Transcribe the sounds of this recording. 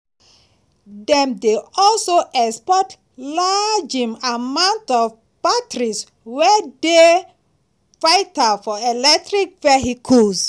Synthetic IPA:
dɛ̃mdeɔlsoʔɛkspɔt | lad͡ʒĩmamãʊ̃ntɔv | b̥atɹis | wɛde | fajtafɔelɛk̚tɹikvɛɦikʰuls

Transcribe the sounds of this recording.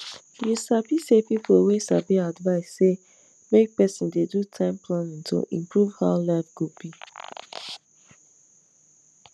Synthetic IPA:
jusabisepipwesa̰biadvaɪsːe | mek̚pɛsɪ̃ndedutʰãɪ̃mpʰlãnɪ̃ŋtʰo̰ʔḭ̃mpɹuv̥haʊlɛfɡupi

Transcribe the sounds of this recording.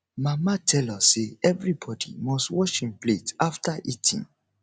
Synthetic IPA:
mamatʰɛlɔseɛvɹibɔdḭmɔstwɔʃĩnpletaftaʔitʰḭ̃n

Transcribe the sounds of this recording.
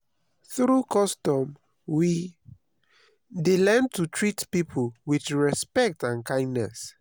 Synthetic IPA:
θɹukɔstɔ̃m | wi | delɛ̃ntutʰɹitpipʰuwiθɹɛspɛk̚tãnkãɪ̃ndnɛs

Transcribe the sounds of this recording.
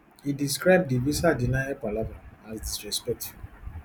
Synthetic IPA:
hidiskɾaɪb̚divisadinajɛpalabaasdisɾɛspɛk̚tʰiv

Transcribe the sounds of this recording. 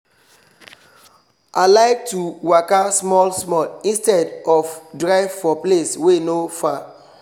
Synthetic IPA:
ʔalaɪk̚tuwakasmɔlsmɔlĩnstɛdɔfdɹaɪvfɔpleswenofa

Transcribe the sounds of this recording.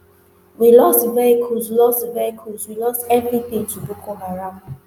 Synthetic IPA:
wilɔstvɛɹikʰusilɔstvɛɹikʰuswilɔstɛvɹipĩtubokʰoɦaɹãʊ

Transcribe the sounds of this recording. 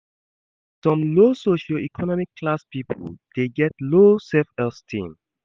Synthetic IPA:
sɔ̃mlosoʃaikʰɔnɔmikʰːlaspipʰo̰ld̥eɡɛtlosɛfɛlstʰḭ̃m

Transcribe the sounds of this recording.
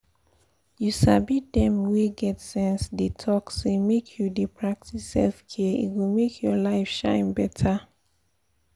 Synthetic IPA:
jusabit̚dɛ̃mweɡɛtsɛ̃nsdetʰɔksemekʰjudepʰɹak̚tisɛlfkʰiəḭtwimekʰjɔlaɪfʃãɪ̃nbɛtʰa

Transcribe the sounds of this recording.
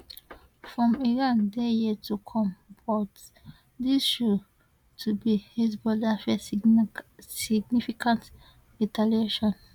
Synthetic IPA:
fɹɔ̃miɹãndejitʰukʰɔ̃mbɔt | disʃo | tʰubihis̬bɔdafɛ | siɡnifikãnt | ĩtaleʃɔ̃n

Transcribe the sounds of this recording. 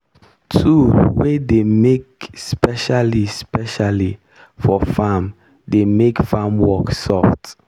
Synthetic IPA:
tʰuwedemek̚spɛʃalispɛʃali | fɔfãm | demekfãmwɔksɔft

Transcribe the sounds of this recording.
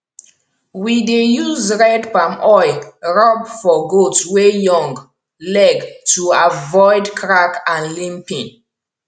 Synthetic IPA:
widejuzɹɛdpãmʔɔɪɹɔbfɔɡotswejɔ̃ŋɡ | lɛɡtuavɔɪdkʰɹakãnlĩmpĩn

